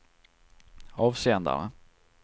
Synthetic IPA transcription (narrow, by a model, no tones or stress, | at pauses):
ɑːvseːənd̪a̰ɾə̰